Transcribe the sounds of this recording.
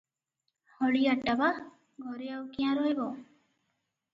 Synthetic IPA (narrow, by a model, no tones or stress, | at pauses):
hɔɭiaʈːaba | ɡʱɔɾeawkiãɾɔebɔ